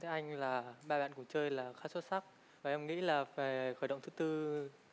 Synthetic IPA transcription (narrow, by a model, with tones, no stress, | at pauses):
t̪e˨˦ʔa˧jŋ̟laː˨˩ɓaː˧ɓa̰ː˧˨nkʊ̰˧˩ŋ͡mt͡ɕəː˧jlaː˨˩xaː˦˥swt̚sa˦˥k̚ | vaː˨˩ʔɛ˧mŋḭ˧˥laː˨˩faː˨˩jxəː˧˩jɗə̰˧˨wŋ͡mt̪ʰɨ˨˦t̪ɨ˧